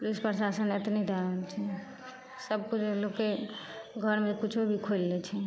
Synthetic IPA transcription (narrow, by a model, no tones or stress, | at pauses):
pulispɾsasənet̪nid̪aəlt͡ʃʰɛ | səb̚kut͡ʃlokeɡʱəɾmekit͡ʃʰebʱikʰolːɛt͡ʃʰɛ